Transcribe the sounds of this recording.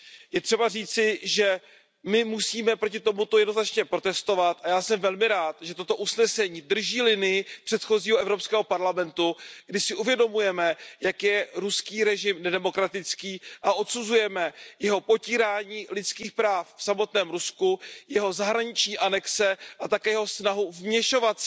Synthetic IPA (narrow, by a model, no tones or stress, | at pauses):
jɛt̪r̝̥ɛbariːt͡sɪʒɛ | mɪmusiːmɛpɾo̞cɪt̪o̞mut̪ojɛdnoznat͡ʃɲɛpɾo̞t̪ɛst̪o̞vat̪ʔajaːsɛmvɛlmɪɾaːt̪ʒɛt̪o̞t̪o̞ʔusnɛsɛɲiːd̪r̩ʒiːlɪnɪjɪpr̥ɛt̪xo̞ziːɦoʔɛvɾo̞pskɛːɦopaɾlamɛnt̪uɡdɪʃsɪʔuvjɛdo̞mujɛmɛjakjɛɾuskiːɾɛʒɪmnɛdɛmo̞kɾat̪ɪt͡skiːʔaʔo̞t̪suzujɛmɛjɛɦo̞po̞ciːɾaːɲiːlɪt̪t͡skiːxpɾaːffsamo̞t̪nɛːmɾuskujɛɦo̞zaɦɾaɲɪt͡ʃɲiːʔanɛksɛʔat̪akɛːjɛɦo̞snaɦuvmɲɛʃo̞vat̪s